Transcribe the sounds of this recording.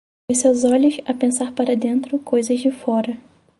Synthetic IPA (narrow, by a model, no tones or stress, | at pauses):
õsewzɔʎʊsɐpẽsaɾpaɾɐd̪ẽnt̪ɾʊkojzɐzd͡ʒɪfɔɾɐ